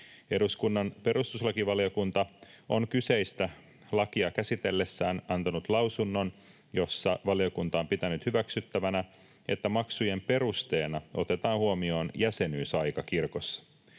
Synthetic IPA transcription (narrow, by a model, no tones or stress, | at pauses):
e̞ɾuskunːɑnpe̞ɾust̪uslɑkiʋɑlio̞kunt̪ɑo̞nkyse̞jst̪æ | lɑkiɑkæsit̪e̞lːe̞sːæːnɑnt̪ɑnut̪lɑwsunːo̞n | jo̞sːɑʋɑlio̞kunt̪ɑompit̪ænyt̪hyʋæksyt̪ːæʋænæ | e̞̰t̪ːæmɑksuje̞mpe̞ɾust̪e̞ːnɑʔo̞t̪e̞t̪ɑːnhuomio̞ːnjæse̞nyːsɑjkɑkirko̞sːɑ̥